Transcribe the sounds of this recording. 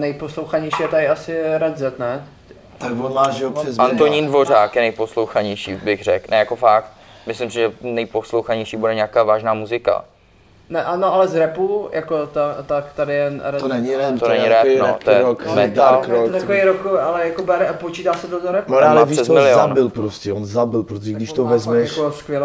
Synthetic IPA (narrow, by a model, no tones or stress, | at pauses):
nɛjposlowxaɲɛjʃijɛt̪aɾɪasɪɾɛd̪zɛt̪nɛ | voaʒoɛzant̪oɲiːndvo̞r̝aːkjɛnɛjposlowxaɲɛjʃiːbɪɣrɛknʔɛjakofak̚t̪̚ | mɪslɪmsɪʒɛnɛjposlowxaɲɛjʃiːbudɛɲɛaːkaːvaːʒnaːmuzɪka̰ | nɛʔanoʔalɛzɾɛpujakot̪at̪akt̪adɪjɛɾɛnɛɲɪɾonɛɲɪɾɛnoɛt̪ojɛmɛt̪alɾot̪akoiɾokalɛjakobɛɾɛpot͡ʃiːt̪aːsɛd̪ozoɾɛpːlɛvisɛszmmɪlɪoanbɪlpɾoscɛonzabɪlpɾot̪oʒɛɡdɪʃt̪ovɛzmɛakoskʋjɛl